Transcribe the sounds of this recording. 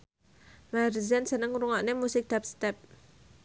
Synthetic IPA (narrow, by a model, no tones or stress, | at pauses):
marizansənəŋɾuŋaʔnemusɪk̚d̥̪ap̚st̪ɛp̚